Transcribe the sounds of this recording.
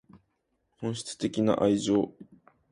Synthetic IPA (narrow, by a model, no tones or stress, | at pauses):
hõ̞ɰ̃ɕi̥t͡sɨ̥t̪e̞kʲina̰ʔaiʑo̞ː